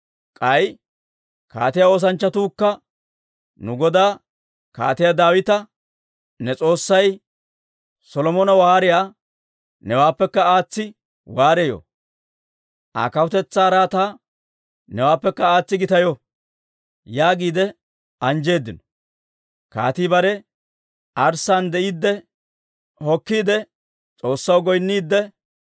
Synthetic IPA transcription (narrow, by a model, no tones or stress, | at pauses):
kʼɐj | ka̰ːt̪ɪjao̞ːs̬ɐnt͡ʃːɐt̪uːkːɐ | nʊɡɔd̪aː | ka̰ːt̪ɪjad̪aːwɪt̪ɐ | nɛt͡sʼo̞ːsːɐj | sɔlɔmɔnɐwaːɾɪjaː | nɛwaːpːɛkːɐaːt͡sːɪ | waːɾejɔ̰ | ʔa̰ːkɐwʊt̪ɛt͡sːaːɾaːt̪a | nɛwaːpːɛkːɐaːt͡sːɪɡɪt̪ɐjɔ | jaːɡiːd̪ɛ | ɐnd͡ʒe̞ːd̪ːɪnɔ | ka̰ːt̪iːbɐɾɛ | ʔɐɾsːand̪ɛʔiːd̪ːɛ | hɔkːiːd̪ɛ | t͡sʼo̞ːsːɐwɡɔjnːiːd̪ːɛ